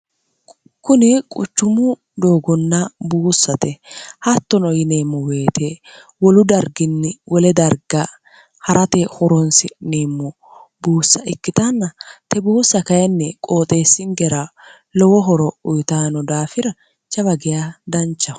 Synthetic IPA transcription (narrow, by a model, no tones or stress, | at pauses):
kʊnɪkʼʊt͡ʃːʊmʊ | d̪o̞ːɡɔnːɐbuːsːɐt̪ɛhɐt̪ːɔnɔjɪneːmːɔwe̞ːt̪e | wɔlʊd̪ɐɾɡɪnːɛwʔɔlɛd̪ɐɾɡɐ | hɐɾʔɐt̪ehɔɾɔnsɪneːmːɔ | buːsːɐʔɪkːɪt̪ɐnːɐt̪ɛbuːsːɐkɐjɐnːɛkʼo̞ːt̪ʼe̞ːsːɪŋɡɛɾɐ | lɔwɔɦɔɾɔʊjt̪aːnɔd̪aːfɪɾɐ | t͡ʃɐβɐɡɪjaːd̪ɐnt͡ʃːɐ